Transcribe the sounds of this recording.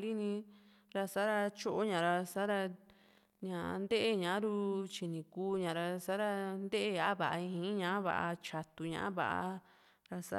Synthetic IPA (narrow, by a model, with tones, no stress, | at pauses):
li˦nĩ˧ | ɾa˧sa˦ɾa˧t͡ʃo˦ʔo˦ɲã˨ɾa˧sa˦ɾa˧ | ɲã̰˨˧nd̪e˦ʔe˦ɲã˨˦ɾu˧t͡ʃi˧nĩ˨kuː˧ɲã˨ɾa˧sa˦ɾa˧nd̪e˦ʔe˦a˨a˦βa˨ʔa˧ĩ˧hĩ˧˦ɲã˧˦βa̰˨a̰˧t͡ʃa˨t̪u˧ɲã̰˧ʔã˦βa̰˨ʔa̰˧ | ɾa˧sa̰˦